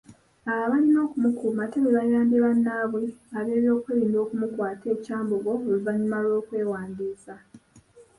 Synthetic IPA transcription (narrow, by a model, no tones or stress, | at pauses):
alaβalino̞ːkumukuːmateβeβajaːmbeβanːaːβweaβe̞ːβjo̞ːkweliːndo̞ːkumukwaːtʰe̞ːcaːmbuɡo̞luvaɲumalwo̞ːkwe̞ːwaːndiːsa